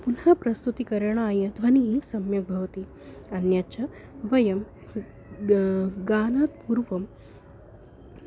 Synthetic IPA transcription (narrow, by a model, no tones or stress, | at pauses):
punɦɐpɾɐst̪ut̪ikɐɾɐɳaaːjɐd̪ʋɐniisɐmjɐbʱɐʋɐt̪i | ɐnjaːt͡ʃɐ | ʋɐjɐm | ɡaːnaːt̪̚puːɾʋɐm